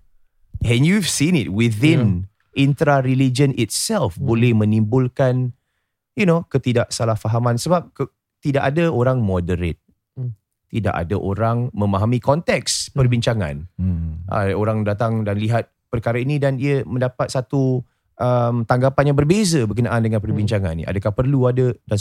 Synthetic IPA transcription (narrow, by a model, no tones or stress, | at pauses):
ʔɛnjuvsinɪt̚wiθĩn | ʔint̪ɾaɾilid͡ʒənʔit̪̚sɛlfbolɛhmə̃nĩmbulkan | junokət̪idaʔsalahfaɦamãnsəbap̚kə | t̪idaʔadəoɾaŋmɔdəɾḛt̪̚ | t̪ːida̰ʔa̰daʔoɾaŋmə̃maɦamikɔnt̪ɛkspərbiɲt͡ʃaŋã̰nʔa̰oɾaŋdat̪aŋdanliɦat̪̚pərkaɾainidaniəmə̃ndapat̪̚sat̪u | ʔəmt̪aŋɡapanjaŋbərbezəbəɡənaʔandəŋãnpərbiɲt͡ʃaŋanḭa̰dakahpərluadədan